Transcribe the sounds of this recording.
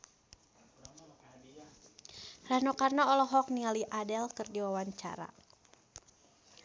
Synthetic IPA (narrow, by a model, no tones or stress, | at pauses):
ranokarnaɔlɔɦɔk̚niŋaliʔadɛlkɨrdiwawaɲt͡ʃa̰ɾa̰